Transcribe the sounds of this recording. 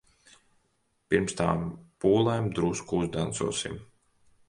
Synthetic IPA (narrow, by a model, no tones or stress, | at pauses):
piɾmst̪a̰ːmpuːlˠɛjmd̪ɾuːskuuzd̪ant̪sṵɔsḭm